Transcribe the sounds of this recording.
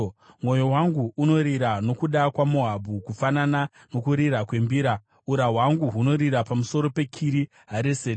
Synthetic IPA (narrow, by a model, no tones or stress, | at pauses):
mwo̞jo̞waŋɡuʔːno̞ɾiɾano̞kuɗakwamoɦabʱukufanana | no̞kuɾiɾakwe̞mbiɾa | uɾaɦwaŋɡuɦuno̞ɾiɾapamuso̞ɾo̞pe̞kʰiɾi | ɦaɾese